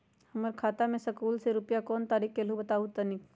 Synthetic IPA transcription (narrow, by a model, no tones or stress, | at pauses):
hɐməɾkʰaːt̪amẽsɐkuːlseɾʊpjakɔːnt̪aːɾiːkkelobət̪aːut̪ənik